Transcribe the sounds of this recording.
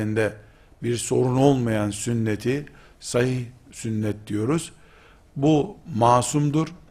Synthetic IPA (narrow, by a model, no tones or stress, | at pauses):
ind̪ɛ | biɾso̞ɾuno̞lˠmajansynːet̪ʰi | sahihsynːɛt̪̚d̪ijo̞ɾuz̥ | bumaːsumd̪uɾ